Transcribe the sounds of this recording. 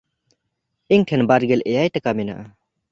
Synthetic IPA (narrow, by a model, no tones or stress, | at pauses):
iŋʈʰɛnbaɾɡɛlʔɛjajʈakamɛna̰ʔa